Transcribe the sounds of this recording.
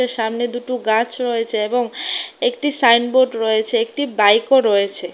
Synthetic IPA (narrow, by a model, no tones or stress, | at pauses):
eɾʃamned̪uʈuɡãt͡ɕɾɔet͡ɕʰeeboŋekʈisajnboɖɾɔet͡ɕʰeek̚ʈibajkoɾɔet͡ɕʰe